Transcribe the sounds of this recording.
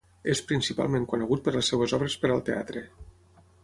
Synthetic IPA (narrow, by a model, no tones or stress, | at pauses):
espɾinsipa̰lˠmeŋkunəɣ̞ut̪̚pəɾləsːewəzɔβɾəspəɾəlˠt̪ea̰t̪ɾe